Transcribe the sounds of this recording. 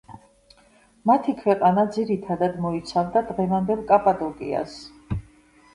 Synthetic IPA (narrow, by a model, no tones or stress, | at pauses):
mat̪ʰikʰwɛqʼanad̪ziɾit̪ʰad̪ad̪mɔit̪sʰavd̪ad̪ʁɛvand̪ɛlˠkʼapʼad̪ɔkʼḭa̰s